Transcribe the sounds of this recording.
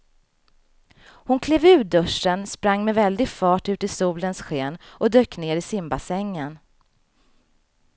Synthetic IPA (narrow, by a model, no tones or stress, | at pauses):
hʊnkʰleːvʉ̟ːd̪ɵʂːənspɾaŋːmɛvɛld̪ɪɡfɑːʈʉ̟ːt̪ɪsuːlənsɧeːnʔɔd̪øːkːneːɾɪsɪmbasɛŋːən